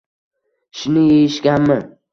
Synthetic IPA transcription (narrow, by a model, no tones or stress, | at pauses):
ʃʊnɪjejɪʃɡʲanmɪn